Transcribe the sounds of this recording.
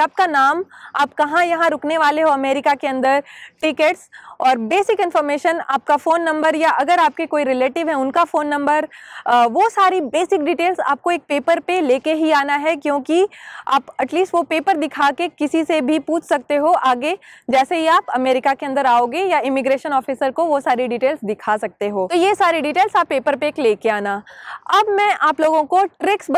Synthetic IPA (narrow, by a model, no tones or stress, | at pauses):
aːp̚kanaːmaːp̚kɐɦãjɐɦãɾʊkneʋaːleɦoɐmeːɾɪkakeɐ̃nd̪əɾʈɪkeʈsɔːɾbeːsɪkɪ̃nfɔɾmeːʃəna̰ːp̚kafoːnːɐ̃mbəɾjaʔɐɡəɾaːp̚kekoːiɾɪleːʈɪʋɦɛ̃ʊnkafoːnːɐ̃mbəɾʋosaːɾibeːsɪk̚ɖiːʈeːlza̰ːp̚koeːk̚peːpəɾpeleːkeɦiaːnaɦɛkjõːkiaːpɐʈliːsʈʋopeːpəɾd̪ɪkʰakekɪsisebʱipuːt͡ʃʰsɐk̚t̪eɦoʔaːɡed͡ʒɛːseɦiaːpɐmeːɾɪkakeɐ̃nd̪əɾaːoːɡejaɪmɪɡɾeːʃənɔːfisəɾkoʋosaːɾiɖiːʈeːlsd̪ɪkʰasɐk̚t̪eɦoːt̪ojesaːɾeɖiːʈeːlsaːpːeːpəɾpeːkleːkeaːnaːɐbmɛ̃ʔaːploːɡõkoʈɾɪks